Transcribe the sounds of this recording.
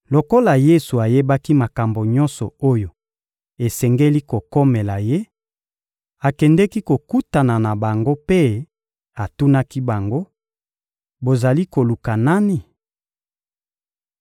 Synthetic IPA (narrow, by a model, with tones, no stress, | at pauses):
lo˨ko˦la˨je˦su˨a˨je˦ba˦ki˦ma˨ka˨mbo˨ɲɔ̃˦nsɔ˨o˦jo˨ | e˨sɛ˨ŋɡe˦li˦ko˨ko˦mɛ˨la˨je˦ | a˨kɛ˨ndɛ˦ki˦ko˨ku˦ta˨na˨na˨ba˨ŋɡo˦pe˦ | a˨tu˦na˦ki˦ba˨ŋɡo˦ | bo˨za˨li˦ko˨lu˨ka˨na˦ni˨